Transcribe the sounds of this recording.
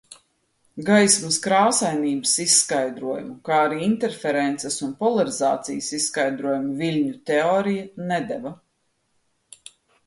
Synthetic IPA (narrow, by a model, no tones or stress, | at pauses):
ɡajsmɐskɾawsajniːbəsisːkajd̪ɾuɔjumukaːaɾiːint̪ɛɾfɛɾɛnt̪sɛsunpɔlˠaɾiza̰ːt̪sijəsisskajd̪ɾuɔjumuvilʲɲut̪eɔːɾijɐnɛd̪ɛvɐ